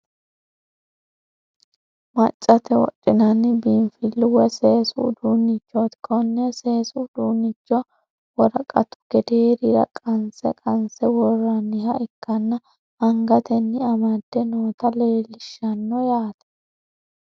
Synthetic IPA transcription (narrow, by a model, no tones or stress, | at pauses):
mɐ̰t͡ʃʼːɐt̪ɛwɔ̰t͡ʃʼːɪnɐnːɪbiːnfɪlːʊwɛseːsʊd̪uːnɪt͡ʃːɔt̪kʰɔnːɛseːsʊʊd̪uːnɪt͡ʃːɔ | wɔɾɐkʼɐ̰t̪ʊ̥ɡ̥ɛd̪eːɾɪɾɐ̰kʼɐnsɛ̰kʼɐnsɛwɔrːɐnːɪhɐɪkːɐnːɐ | ɐŋɡɐt̪ɛnːɪɐmɐd̪̥ːɛnoːt̪ɐle̞ːlɪʃɐnːɔjaːt̪ɐ̥